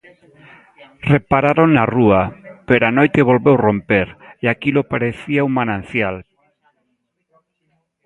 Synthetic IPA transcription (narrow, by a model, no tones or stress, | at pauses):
repaɾaɾoŋnaruapeɾoanojt̪eβ̞olβewrompeɾeakilopaɾeθiaumanãn̟θjal